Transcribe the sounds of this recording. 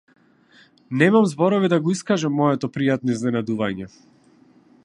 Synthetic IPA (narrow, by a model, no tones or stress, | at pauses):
nɛmamzbɔɾɔvid̪aɡɔiskaʒamːɔjɛt̪ɔpɾijat̪nɔiznɛnad̪uvaɲɛ